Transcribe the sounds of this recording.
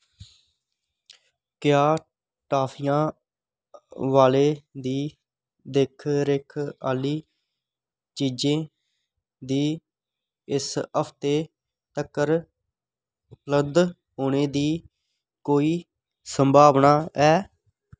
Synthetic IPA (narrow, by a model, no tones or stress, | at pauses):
kjaː | ʈaːpʰijãː | ʋaːleːd̪iː | d̪ekʰɾeːkʰaːliː | t͡ʃiːd͡ʒẽː | d̪iː | ɪsəpʰt̪eː | t̪əkəɾ | ʊpləb̚d̪ | ɦoːɳeːd̪iː | koːiː | səmbʱaːʋnaːɛː